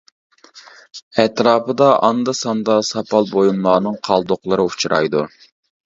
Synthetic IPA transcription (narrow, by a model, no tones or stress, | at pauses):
ɛt̪ɾɑːpɨd̪ɑʔɑnd̪ɑsɑnd̪ɑsɑpɑlˠbojumlˠɑːnɨŋqʰɑlˠd̪oqlˠɨɾɨut͡ʃʰuɾɑ̰jd̪ṵ